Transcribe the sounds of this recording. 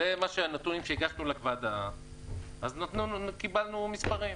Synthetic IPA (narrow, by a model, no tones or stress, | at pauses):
emaʃeanat̪unimʃeiɡaʃnulakvad̪a | aznat̪nunkibalnumispaʁim